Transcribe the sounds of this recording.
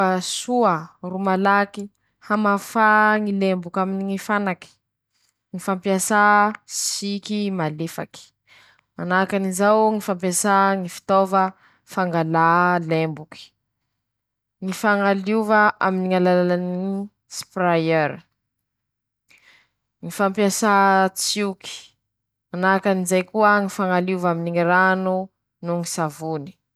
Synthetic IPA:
asuərumalaki | hamafaŋilembukʲaminiŋifanaki̥ | ŋifampiasasikimalefa̰ki̥ | manakanizawŋifampiasaŋifi̥t̪ovə | faŋɡalalembuki̥ | ŋifaŋaluvəʔaminiŋalalalani | spɾajeɾ | ŋifampjasat͡suki̥ | manakanizajkuəŋifaŋaluvaminiŋiɾanu | nuŋisavuni̥

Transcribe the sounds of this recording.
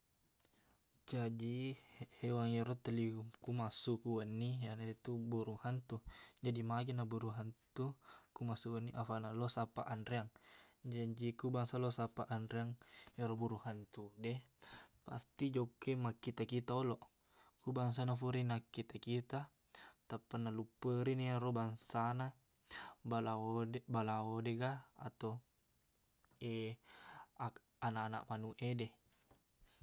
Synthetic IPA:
d͡ʒad͡ʒihewaŋjɛɾɔt̪əliukumasukuwənːianadet̪ubuɾuhant̪ud͡ʒadimaɡenabuɾuɦant̪ukumasuwənːiʔafanalosapa̰ʔandɾeaŋd͡ʒad͡ʒikubaŋsalosapaʔandɾeaŋɛɾɔbuɾuhant̪udɛpa̰st̪id͡ʒokːemakːit̪akit̪aolɔ | kubaŋs̬anafuɾinakːit̪akit̪a | t̪apːanalupəɾineaɾobaŋsana | balaodbalaodeɡaa̰t̪o | e | a | anaʔanaʔmanuʔedɛ

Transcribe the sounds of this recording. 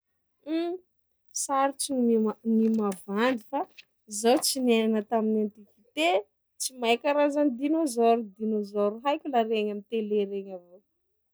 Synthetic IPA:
saɾit͡sinimimavand̪ifa | zowt͡sinananət̪aminant̪ivit̪e | t͡simaekʲaɾazanid̪inozɔɾud̪inozoɾuɦajkʲulaɾeɲamit̪eleɾeɲavo

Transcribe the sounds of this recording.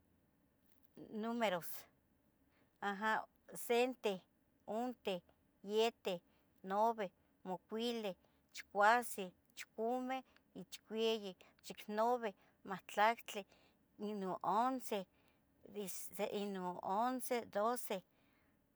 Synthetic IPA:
numeɾos | aɦa | sent̪e | ont̪e | jet̪eh | noβe | mokʷile | t͡ʃi̥kʷasi | t͡ʃkume | it͡ʃkʷeji | t͡ʃiknoβe | maht͡ɬakt͡ɬe | inoʔonse | iseʔinoonsed̪ose

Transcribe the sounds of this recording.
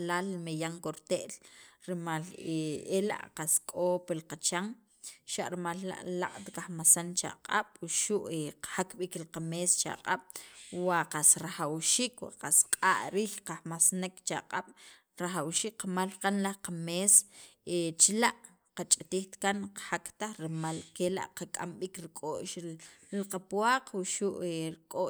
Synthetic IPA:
laːlmejaŋkoɾt̪eʔlɾimaleela̰ʔqaskʼopilqat͡ʃaŋ | ʃaʔɾimalːa̰ʔla̰qʼt̪kaxmasant͡ʃa̰qʼa̰ɓ̥uʃuʔeqḁhakɓiklqamest͡ʃa̰qʼaɓ̥waqasɾaxawʃiːkwa̰qasqʼaʔɾiːxqahmasnekt͡ʃa̰qʼaɓ̥ | ɾaxawʃiːkqamalqanlahqameset͡ʃlaʔ | qat͡ʃʼat̪iːxt̪kanqḁhakt̪aχɾmalkela̰ʔqakʼa̰mɓiːkɾikʼoʔʃlqapwaːqwuʃuʔeɾkʼo

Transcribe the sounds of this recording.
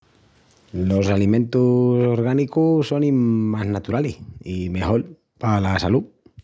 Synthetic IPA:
losalimẽ̞nt̪usoɾɣ̞anikusonimaznat̪uɾalihimexol | palasalu

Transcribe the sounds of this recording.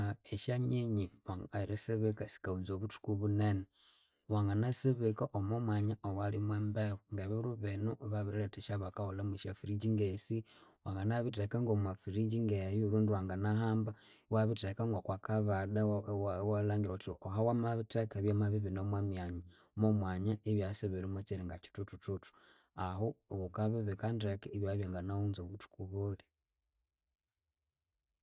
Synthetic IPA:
eʃaɲiɲiwaŋaiɾesiβikasi̥kaunzoβutu̥kuβunene | waŋɡanasiβikaʔomomwaɲaowalimweːmbewuŋɡeβiɾuβenuʔβaβiɾieteʃaβakaholamiʃafiɾid͡ʒiŋɡesiwaŋɡanaβitekaŋɡomafiɾid͡ʒiŋɡejuɾuːndiwaːŋɡanaɦaːmba | waβitekaŋɡokwakaβadawalaːŋɡiɾotioɦawamaβitekeβjamaβiβinomwamjaɲa | momwaːɲaeβjaseβeɾemat͡ʃiɾiŋɡat͡ʃi̥tutututu̥ | aɦowukaβiβikandɾekeiβjaβjaːŋɡanaunzoβutu̥kuβole

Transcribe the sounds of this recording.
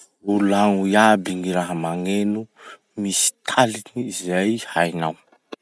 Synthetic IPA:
ulaŋujabiŋiɾaɦəmaŋenu | misi̥t̪ʰaliniizajhajnaw

